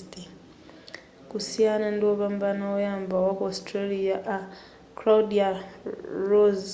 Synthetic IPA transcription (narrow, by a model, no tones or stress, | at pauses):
ti | kusianandoβambanaojaːmbawakostɾaliaʔa | klaudia | ɾoz